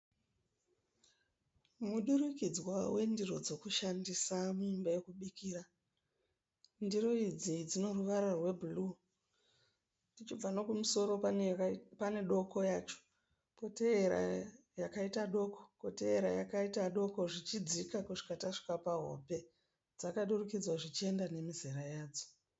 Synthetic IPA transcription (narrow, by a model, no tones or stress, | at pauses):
muɗuɾikid͡zwawe̞ndiɾo̞d͡zo̞kuʃandisamuumbaje̞kuɓikiːɾa | ndiɾo̞id͡zid͡zino̞ruʋaɾarwe̞bʱulu | ndit͡ʃib͡vano̞kumuso̞ɾo̞ | pane̞ɗo̞ko̞jaːt͡ʃo̥ | poteɾa̰ | jakaitaɗo̞ko̞̥po̞te̞ːɾajakaitaɗo̞ko̞ʐit͡ʃid͡zikakuʐi̥kataʂi̥kapaɦo̞̰pe̞ | d͡zakaɗurukid͡zwaʐit͡ʃie̞ndane̞mizeɾajaːd͡zo